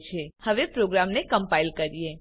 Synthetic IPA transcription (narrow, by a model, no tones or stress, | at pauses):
t͡ʃʰehəʋepɾoɡɾamnekəmpailkəɾije